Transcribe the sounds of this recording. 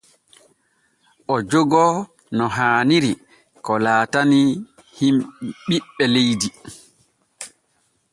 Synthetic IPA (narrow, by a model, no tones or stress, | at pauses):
ʔɔd͡ʒoɡɔ | nɔɦaːniɾi | kɔlaːtani | himɓiɓːɛlejdi